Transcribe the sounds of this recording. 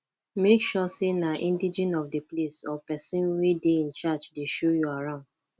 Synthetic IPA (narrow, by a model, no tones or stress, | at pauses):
mekʃɔsenaʔĩndid͡ʒɛ̃nɔfdeplesɔpɛsĩnwideĩnt͡ʃat͡ʃdeʃojuaɹãʊ̃nd̥